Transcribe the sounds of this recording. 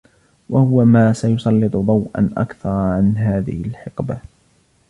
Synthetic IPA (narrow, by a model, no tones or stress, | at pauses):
wahʊwamaːsajʊsˤɑlːɨt̪ˤʊðˤɑwʔa̰nʔa̰kθɑɾˤʕanɦaːðɪ̰hɪlħɪqba